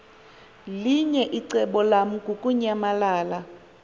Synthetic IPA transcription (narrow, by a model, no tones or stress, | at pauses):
liɲɛʔiǀɛɓɔlam̩ɡʱukʼuɲamalaːla